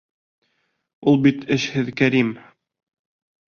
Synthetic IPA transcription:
ulˠbit̪ɘ̆ʃhɘðkæɾim

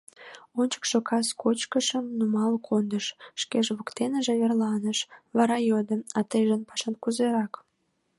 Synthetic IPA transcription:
onʲt͡ɕə̥kʃokʰɑskot͡ɕkəʃəmnumɑlkʰond̪əʃʃkeʒβukt̪enəʒĕβerlɑnəʃβɑɾɑjod̪ə̆ɑt̪əjʒənpɑ̥ʃɑnkuzeɾɑk

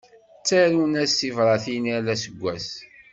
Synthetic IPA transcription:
t͡sːæɾunæsivɾˤɑθinælæsəɡʷːæs

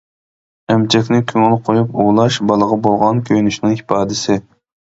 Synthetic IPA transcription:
ɛmt͡ʃʰɛkʲnɪkʲʰøŋɛlˠqʰojupuʁlˠɑʃbɑlˠəʁɑbolˠʁɑnkʲʰøjnyʃnɪŋhipʰɑːd̪ɪsɪ

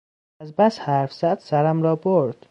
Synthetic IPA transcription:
æzbæshæːɾfz̥æd̪̥sæɾæmɾɒːboɾd̪̥

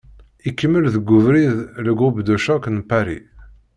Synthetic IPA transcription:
ikːəmːəlðəɡʷːʊvɾiðləɡubd̪æʃæknpːaɾḭ

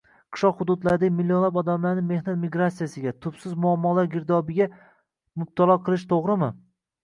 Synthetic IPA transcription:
qʰɨ̥ʃlɒqhʊd̪ʊd̪laɾd̪amɪlːjonlapɒd̪amlaɾnɪme̞hnat̪miɡɾat̪sijasɪɡʲat̪ʰʊpsɪzmʊamːɒlaɾɡʲɪɾd̪ɒbɪɡʲa | mʊb̚t̪ʰalˠɒqʰɨlˠɪʃt̪ʰoʁɾɪmɪ

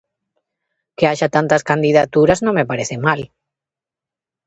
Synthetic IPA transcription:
keaʒat̪ant̪askand̪iðat̪uɾaznõŋmepaɾeθemal

